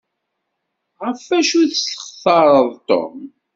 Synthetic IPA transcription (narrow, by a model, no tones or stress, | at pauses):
ʁəfæʃuθsə̥χθɑɾˤəðˤt̪o̰m